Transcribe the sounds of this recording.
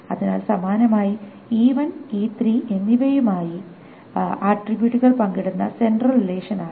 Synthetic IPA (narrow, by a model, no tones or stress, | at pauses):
ɐðinaːlsɐmaːnɐmaːji | iːʋɐniːt̪riːʔe̞nːiʋɐjumaːji | aːʈribjuʈːuɣɐɭpɐŋɡiɽunːɐ̰se̞nɖrɐlrileːʂɐnaː